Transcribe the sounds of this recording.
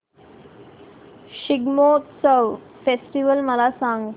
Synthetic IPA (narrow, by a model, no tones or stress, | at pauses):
ɕiɡmot̪səʋ | fesʈiʋəlməlasãŋɡ